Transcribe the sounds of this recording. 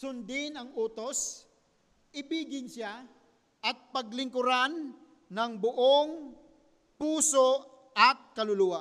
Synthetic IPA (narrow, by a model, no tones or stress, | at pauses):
sʊnd̪ɪnɐŋuːt̪os | ʔɪbiːɡɪnsa | ʔɐt̪̚pɐɡlɪŋkʊɾanː | ɐŋbʊʔoŋ | puːso | ɐt̪̚kɐlʊluːa